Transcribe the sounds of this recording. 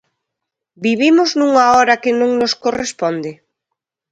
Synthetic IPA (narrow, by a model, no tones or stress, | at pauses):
biβimoznũŋaɔɾɐkɪnõŋnoskorespɔnd̪ɪ